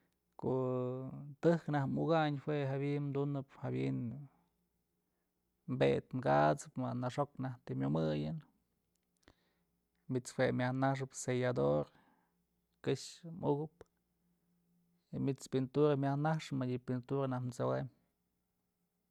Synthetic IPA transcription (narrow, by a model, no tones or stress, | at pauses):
koʔ | t̪ɨhknahmuɡaɲhweɦabiʔnmd̪unɨphabḭn | mbet̪mɡat͡sɨpmanaʂoknaht̪imʲjomɨjɨn | mit͡shwemʲahnaʂ̬ɨpsejad̪oɾ | kɨʂmuɡɨp | imit͡spint̪uɾamʲahnaʂɨmaɨpint̪uɾanahnt͡sowem